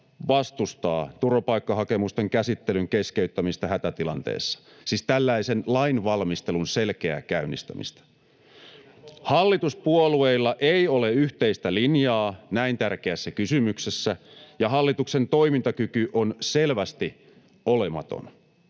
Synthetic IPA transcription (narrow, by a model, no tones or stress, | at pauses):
ʋɑst̪ust̪ɑ̰ːt̪uropɑikːɑɦɑke̞must̪eŋkæsit̪ːelyŋkeskeyt̪ːæmist̪ɑhæt̪æt̪ilɑ̰nt̪ḛːsːɑ̥ | sist̪ælːæisenlɑinʋɑlmist̪e̞lunselkeæ̰kæynːḭst̪æ̰mḭst̪æ̥ | hɑlːit̪uspuolueilːɑʔeio̞leyht̪eist̪ælinjɑːnæint̪ærkeæsːækysymyksesːæjɑɦɑlːit̪ukse̞nt̪o̞imint̪ɑkykyʔonselʋæst̪i | olemɑ̰t̪o̰n